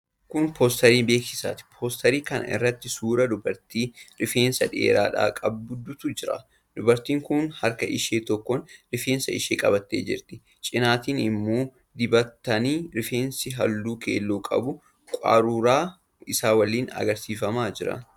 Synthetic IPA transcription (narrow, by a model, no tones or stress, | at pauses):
kʊnpʰoːst̪ɐɾiːmbe̞ːksɪsa̰ːt̪ɪ̥pʰoːst̪ɐɾiːkɐnʔɐ̰ʔɪ̰rːɐt̪ːɪsuːɾɐd̪ʊbɐɾt̪iːɾɪfeːnsɐᶑe̞̰ːɾa̰ːᶑa̰ːkʼɐb̚dʊd̪ʊt̪ʊd͡ʒɪɾɐ̰ | d̪ʊbɐɾt̪iːŋkʊnhɐɾkɐʔɪʃeːt̪ɔkːɔnɾɪfeːnsɐɪʃeːkʼɐbɐt̪ːḛːd͡ʒɪ̰ɾt̪ɪ | t͡ʃʼɪnaːt̪iːnɪmːoː | d̪ɪbɐt̪ːɐniːɾɪfeːnsɪɦɐlːuːkḛːlːuːkʼɐ̰bʊ | kʷʼa̰ːɾuːɾaː | ɪsaːwɐlːiːnɐ̰ɡɐɾsiːfɐmaːd͡ʒɪɾɐ̰